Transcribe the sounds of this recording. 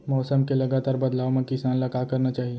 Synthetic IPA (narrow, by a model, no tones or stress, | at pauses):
mɔːsəmkelɐɡaːt̪aːɾbɐd̪laːʋomẽkɪsaːnlɐkakɐɾnat͡ʃaːɦie